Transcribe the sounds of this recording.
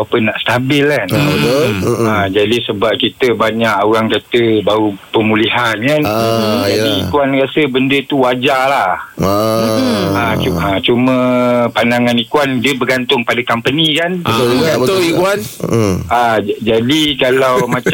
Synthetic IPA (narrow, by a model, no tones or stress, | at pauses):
apənːaʔst̪abɪlkan | ad͡ʒadisəbap̚kit̪əbaɲaʔoɾaŋkat̪əbaupəmũliɦankand͡ʒadiikuanrasəbəndət̪uwad͡ʒalah | auat͡ʃumə̃pandaŋanikwandiəbəɡant̪ʊŋpadakampənikanəat̪ikuan | ad͡ʒadikalawmãt͡ʃ